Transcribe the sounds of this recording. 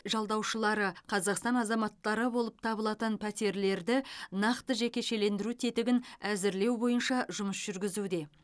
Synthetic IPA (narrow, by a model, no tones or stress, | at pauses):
ʒɑlˠd̪ɑwʃəlˠɑɾəqʰɑzɑqst̪ɑnɑzɑmɑt̪ːɑɾəbo̞lˠəp̚t̪ʰɑβəlˠɑt̪ənpʰæt̪e̞ɾle̞ɾd̪ɪnɑqt̪əʒe̞kʲe̞ʃe̞le̞nd̪ɪɾut̪ʰe̞t̪ɪɡʲɪnæzɪɾle̞wbo̞jənʃɑʒʊməsʒ̥ʏɾɡʲɪzud̪e̞